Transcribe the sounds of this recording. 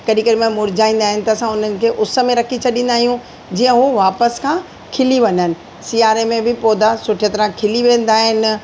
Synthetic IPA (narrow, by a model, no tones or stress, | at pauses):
kɐɗĩkɐɗɪmẽmʊɾɪd͡ʑaːĩːn̆d̪aːɦɪnɪ̆t̪ɐːsãʊn̤ənɪ̆kʰeːʔʊsə̆mẽɾɐkʰit͡ɕʰɐɗĩːn̆d̪aːɦijũ | d͡ʑiːə̃ɦuʋaːpəskʰãː | kʰɪliʋɐɲənɪ̆ | siːaːɾemẽbɪpoːd̪asʊʈʰijət̪ɾãkʰɪliʋẽːn̆d̪aːɦɪnɪ̆